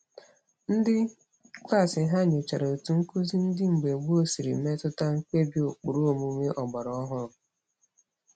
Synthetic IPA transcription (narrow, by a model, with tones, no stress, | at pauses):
n̩˦dɪ˦ | kla˦˨sɪ˨ɦa˦ɲe˨t͡ʃa˨ɾo˨tu˨ŋ̩˦ku˦zi˦n̩˦dɪ˦ŋ͡m̩˨ɡ͡be˨ɡ͡bu˦o˦si˨ɾḭ˨me˦tʊ˦ta˦ŋ̩˦ke˦bi˦o˨k͡pu˨ɾu˦o˨mu˦ŋe˦ʔɔ˨ɡ͡ba˨ɾɔ˦ɦʊ˦ɾʊ˨